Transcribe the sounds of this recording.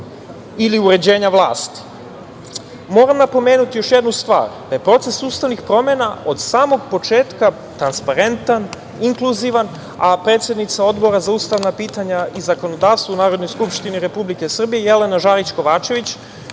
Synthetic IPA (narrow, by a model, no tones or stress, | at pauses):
iliuɾe̞d͡ʑe̞ːɲaʋlˠa̰ːst̪i̥ | mo̞ːɾamnapo̞me̞ːnut̪ijo̞ʃjed̪nust̪ʋa̰ːɾd̪̥aje̞pɾo̞t̪se̞sust̪aʋnixpɾo̞me̞naʔo̞d̪saːmo̞ɡpo̞t͡ʃe̞ːt̪ka | t̪ɾanspaɾe̞nt̪an | iŋkluziʋan | apɾet̪sʲje̞d̪nit̪sao̞d̪bo̞ɾazaust̪aʋnapiːt̪aɲaizako̞no̞d̪aːʋst̪vunaːɾo̞d̪nojskupʃt̪iniɾe̞publike̞sr̩bijejele̞naʒaːɾit͡ɕko̞ʋaːt͡ʃe̞ʋit͡ɕ